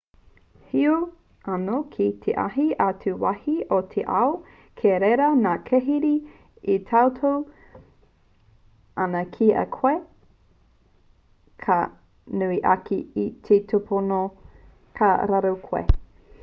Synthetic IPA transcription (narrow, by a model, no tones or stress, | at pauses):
hiu | anokʰit̪ʰeʔa̰ɦiʔatʰuwɐhiotʰeʔɐo | kʰeɾeɾɐnaːkʰeɦiɾi | itʰawtʰow | ɐnɐkʰiɐ̰kʰoe | kʰa | nuiʔɐ̰kiitʰetʰopʰono | kʰa̰ɾaɾowkʰoḛ